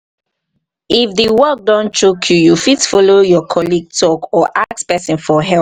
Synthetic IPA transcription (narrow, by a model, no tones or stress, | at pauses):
ifðəwɜk̚dɔ̃nt͡ʃukʰjujufitfɔlojɔkʰɔliɡ̚tʰɔkɔʔakspɛsĩnfɔɦɛl